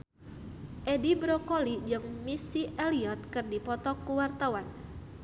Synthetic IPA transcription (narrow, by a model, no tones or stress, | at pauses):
ʔedibɾɔkɔlid͡ʒɨŋmisiʔɛliɔt̪̚kɨrdipɔt̪ɔkuwart̪awan